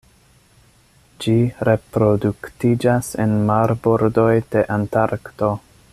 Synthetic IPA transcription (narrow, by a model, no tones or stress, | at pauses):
d͡ʒiɾe̞pɾo̞duktid͡ʒasḛnmaɾboɾdo̞jde̞ʔantaɾkto̞